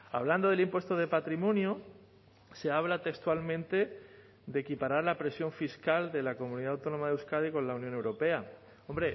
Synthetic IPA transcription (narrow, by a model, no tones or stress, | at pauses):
aβ̞land̪o̞ðe̞limpwe̞st̪oðe̞pat̪ɾimõ̞njo | se̞aβ̞lat̪ekst̪walmẽnt̪e̞ | d̪e̞kipaɾaɾlapɾe̞sjo̞ɱfiskald̪e̞lako̞mũniðaːwt̪o̞no̞maðewskaðiko̞nlaunjõnewɾo̞pe̞a | o̞mbɾe̞